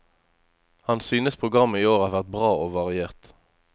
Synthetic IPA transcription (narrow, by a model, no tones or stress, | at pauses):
hɑnsyːnəspʰʁʊɡʁɑmːəiːoːʁɑːʁʋæʁt̪̚bʁɑːʔoːʋɑʁɪeːʁt̪